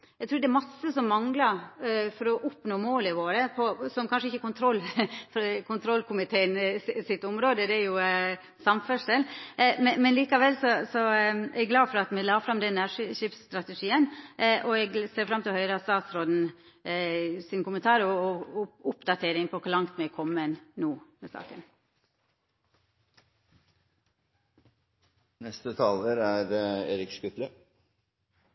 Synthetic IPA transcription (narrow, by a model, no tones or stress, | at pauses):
ɛɡt̪ɾuːɾd̪ɛæɾmɑsːəsɔmːɑŋlɑɾfɔɾɔʔʊpnoːmoːlɪʋoːɾəpʰɔsɔmkʰɑnʂəɪçːəkʊnt̪ʰɾɔlːfɾkʰʊnt̪ʰɾɔlːkʊmɪt̪ʰeːənsɪt̪ːʊmɾoːd̪əd̪ɛæɾjʊ | sɑmfœʂɛlmɛnmɛnliːkɑʋɛlːsɔsɔæɡlɑːfɔɾɑt̪mɛlɑːfɾɑmd̪ɛnːæʂʂiːpst̪ɾɑt̪ɛʂiːənʔɔɛɡseːɾfɾɑmːt̪ʰɪlhœʏɾəɑst̪ɑːt̪sɾoːd̪n̩ | sɪnkʊmənt̪ʰɑːɾɔ | ʊpd̪ɑt̪ʰeːɾɪŋpʰɔkʰʊɾɭɑŋt̪mɛkʰɔmːənnuːmɛsɑ̰ːkə̰n | nɛst̪ət̪ʰɑːləɾæɾeːɾɪkskʉt̪lə